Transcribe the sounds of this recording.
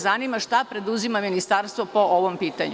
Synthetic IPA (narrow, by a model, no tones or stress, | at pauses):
zanimaʃt̪apɾe̞d̪uzimaminist̪aɾst̪ʋopoʔoʋompiːt̪aɲu